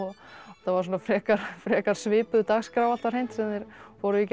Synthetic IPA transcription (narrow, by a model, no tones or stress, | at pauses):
ɔ | θavaɾ̥s̬oːnafɾɛːkaɾ̥fɾɛːkaɾ̥svɪːpʏðt̪aɣskɾaːwvalt̪aɾ̥hejn̥t̪sɛnɪɾ̥vɔɾʏic